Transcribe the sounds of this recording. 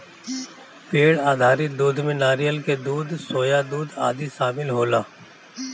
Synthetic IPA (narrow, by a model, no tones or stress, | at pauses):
peːɽaːd̪ʱaːɾɪt̪̚d̪uːd̪ʱmẽnaːɾijəlked̪uːd̪ʱsoːjad̪uːd̪a̰ːd̪iʃaːmɪlɦoːlaː